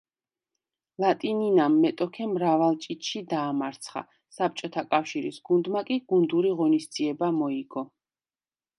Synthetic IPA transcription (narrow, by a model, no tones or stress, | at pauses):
lˠat̪ʼininamːɛt̪ʼɔkʰɛmɾavalˠt͡ʃʼit̪ʼʃid̪aːmaɾt̪sʰχa̰ | sap̚t͡ʃʼɔt̪ʰakʼafʃiɾisɡund̪makʼiɡ̥und̪uɾiʁɔnistd̪ziɛbamɔiɡɔ